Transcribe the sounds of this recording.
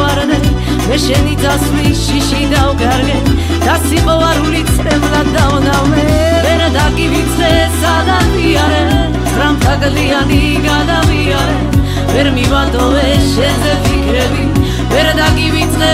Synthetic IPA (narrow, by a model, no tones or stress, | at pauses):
aɾd̪ɛ | mɛʃɛnid̪asliʃiʃid̪avɡaɾɡɛn | d̪̥asipɔvaɾulit̪sʰʼt̪ʼɛvlad̪avɔnamɛ | vɛɾd̪aɡivit̪sʰɛsad̪aviaɾɛ | ɾamt̪ʰaɡliani | ɡad̪aviaɾɛ | vɛɾmivad̪ɔvɛʃɛzɛvikʰɾɛbi | vɛɾd̪aɡivit̪sʰʼɛ